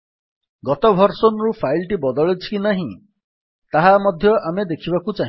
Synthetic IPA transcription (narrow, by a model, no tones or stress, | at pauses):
ɡɔt̪ɔbʱɔɾsɔnɔɾupʰajilʈibɔd̪ɔɭet͡ʃʰi̥kinaɦĩ | t̪aɦamɔd̪ʱjɔʔamed̪ekʰibakut͡ʃaɦĩ